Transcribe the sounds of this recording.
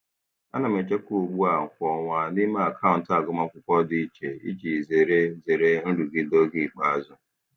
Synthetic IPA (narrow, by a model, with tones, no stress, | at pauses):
a̰˦na˨me˨t͡ʃe˦ko˨ɡ͡bu˦a˨ŋ̩˨kʷɔ˨ŋʷa˨ni˦ma˦a˨kʰa˦ʊ̃˨n̩˨ta˨ɡʊ˦˨ma˦kʷʊ˦kʷɔ˦di˦i˦t͡ʃe˨ḭ˦t͡ʃi˨ze˨ɾe˦ze˨ɾe˦n̩˦ɾu˨ɡi˦do˦ɡi˦˨k͡pa˦a˨zʊ˦